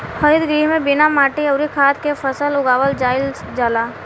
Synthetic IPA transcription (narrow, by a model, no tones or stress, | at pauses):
həɾɪd̪ɡɾiːɦmẽbɪnamaːʈiɐʊɾikʰaːt̪kefəsəlʊɡaːʋəld͡ʒaːɪl | d͡ʒaːlaː